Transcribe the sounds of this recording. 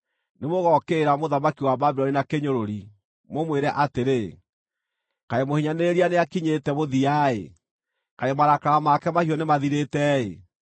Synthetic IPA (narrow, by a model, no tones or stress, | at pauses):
nemoɣɔkeːɾamoðamakiwababɛɾɔɾinakeɲoɾoɾi | momweɾɛʔateɾe | kaemohiɲaneeɾianeakiɲetɛmoðiaḛ | kaemaɾakaɣamakɛmaʃiɔnemaðiɾetɛḛ